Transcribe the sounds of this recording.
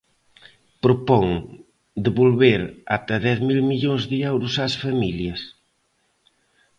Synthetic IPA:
pɾopɔŋ | d̪eβolβeɾa̰t̪ɐðɛθmilmiʎoŋzðɪɛwɾʊsasfamiljɐs

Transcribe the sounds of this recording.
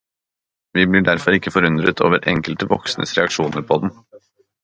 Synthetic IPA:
ʋiːblɪːɖæɾfɔɾɪkːəfɔɾʉnd̪ɾət̪ʰo̰ːʋəɾʔɛ̰ŋkəlt̪əʋɔksnə̰sɾɛɑkʂuːnəɾpʰɔd̪n̩

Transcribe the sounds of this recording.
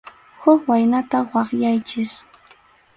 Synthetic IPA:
hʊkwajnat̪awɑχjajt͡ʃɪs

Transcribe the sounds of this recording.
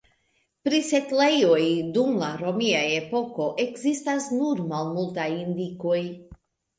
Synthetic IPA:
pɾisetlejo̞jdumlaɾo̞miaje̞po̞ko̞ʔe̞kzistasnuɾmalmultajindiko̞j

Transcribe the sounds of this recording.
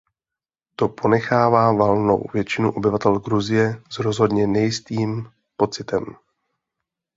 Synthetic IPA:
t̪o̞pʰo̞nɛxaːvaːvalno̞̰wvjɛt͡ʃɪnuʔo̞bɪvat̪ɛlɡɾuzɪjɛzɾo̞zɦo̞dɲɛnɛjɪst̪iːm | po̞t͡sɪt̪ɛm

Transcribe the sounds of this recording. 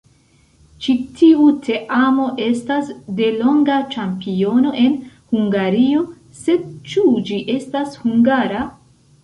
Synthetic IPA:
t͡ʃitʰiutʰe̞ʔamo̞ʔe̞stasde̞lo̞ŋɡat͡ʃampio̞no̞ʔe̞nhuŋɡaɾio̞ | se̞d̚t͡ʃud͡ʒiʔe̞stashuŋɡaɾa

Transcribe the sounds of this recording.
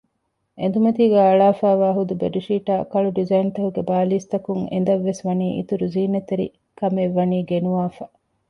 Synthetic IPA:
ʔend̪umɐt̪iːɡæːɐɭaːfaːʋaːɦud̪ubeɖiʃiːʈaːkɐɭuɖizɐjint̪ɐhuɡebaːliːst̪ɐkuŋḛnd̪ɐʋːesʋɐniːʔḭt̪uɾuziːnɐt̪eɾḭ | kɐmeʋːɐniːɡenuʋaːfɐ

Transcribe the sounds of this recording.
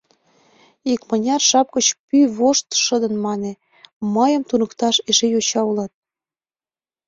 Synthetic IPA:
ikmənʲɑrʃɑp̚kət͡ɕpyβoʃt̪ʃəd̪ə̆nmɑne | məjə̆mt̪unə̆kt̪ɑʃeʒejot͡ɕɑulɑt̪̚

